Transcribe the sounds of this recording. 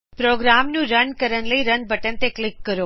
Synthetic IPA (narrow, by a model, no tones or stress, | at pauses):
pɾoːɡɾaːmnũɾɐnkɐɾən̆ləiɾɐnbʱɐʈənɪ̆t̪eklɪkːɐɾoː